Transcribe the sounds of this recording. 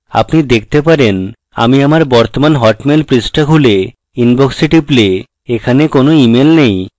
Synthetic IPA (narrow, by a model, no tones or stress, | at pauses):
a̰pnid̪ek̚ʰt̪epaɾen | a̰miamaɾbɔɾt̪omanɦɔʈmelpɾisʈakʰule | inboksiʈiple | ekʰanekonoimelnej